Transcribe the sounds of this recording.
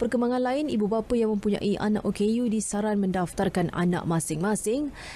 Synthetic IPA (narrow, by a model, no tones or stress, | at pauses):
pərkəmbaŋãnlaɪnibubapəjaŋmə̃mpuɲã̰ʔiʔa̰na̰ʔokejudisaɾanmə̃ndaft̪arkana̰nã̰ʔmãsɪŋmãsɪŋ